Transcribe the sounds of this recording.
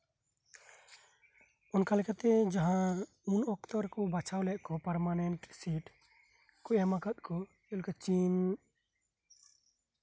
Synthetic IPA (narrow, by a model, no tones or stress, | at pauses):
ɔnkalɛkat̪ɛd͡ʒaɦã | unɔkt̪ɔɾkɔbat͡ʃʰawlɛʔkɔpaɾmanɛɳʈsiʈ | kɔjamakat̪̚kʰɔ | ɔlkat͡ʃin